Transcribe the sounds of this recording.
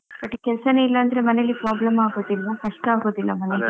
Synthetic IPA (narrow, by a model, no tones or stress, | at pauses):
bɐʈːkɛlsɐneilːɐːnd̪ɐɾe̞mɐnelːipɾaːblɐmaːɡoːd̪ilːɐkɐʂʈːaːɡoːd̪ilːɐmɐne